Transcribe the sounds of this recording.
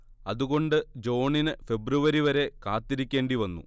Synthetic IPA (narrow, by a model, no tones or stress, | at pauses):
ɐðuɣo̞ɳɖɨd͡ʑo̞ːɳinɨfe̞bruʋɐɾiʋɐɾe̞kaːt̪ːiɾikʲːe̞ːɳɖiʋɐnːṵ